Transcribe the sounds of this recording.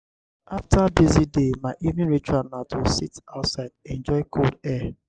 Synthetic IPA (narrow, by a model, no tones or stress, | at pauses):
aftʰabezidemaɪʔivnĩnɹit͡ʃuanatwɪlsitaʊtsaɪdɛ̃nd͡ʒɔɪkʰoldɛ